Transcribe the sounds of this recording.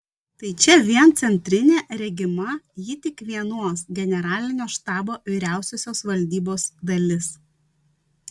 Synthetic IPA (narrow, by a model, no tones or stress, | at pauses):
t̪ɐɪt͡ʃʲɛʋʲiɛnt̪sʲɛnʲt̪ʲɾʲɪnʲeːɾʲɛɡʲɪmɐjɪt̪ʲɪkʋʲiɛnoɔsɡʲɛnʲɛɾɑːlʲɪnʲoːʃt̪ɑːboːʋʲɪɾʲæˑʊsʲoːsʲoːsʋɐlʲd̪ʲiːboːsd̪ɐlʲɪs